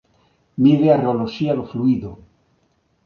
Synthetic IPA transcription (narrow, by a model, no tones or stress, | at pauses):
miðeareoloʃialofluiðo